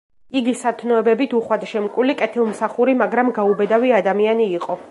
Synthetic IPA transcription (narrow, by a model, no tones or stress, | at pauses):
iɡisat̪ʰnɔɛbɛbit̪ʰuχwad̪ʃɛmkʼwilikʼɛt̪ʰilˠmsaχuɾimaɡɾamɡaubɛd̪aviad̪amianiːqʼɔ